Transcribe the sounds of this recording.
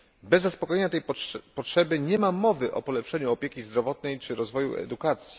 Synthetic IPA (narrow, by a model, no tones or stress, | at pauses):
bɛzːaspɔkɔjɛɲat̪ɛjpɔtʂɛbɘɲɛmamːɔvɘʔɔ̰pɔlɛpʂɛɲuɔpʲjekʲizd̪ɾɔvɔt̪nɛjt͡ʂɘɾɔzvɔjṵɛ̰d̪ukat̪sʲji̥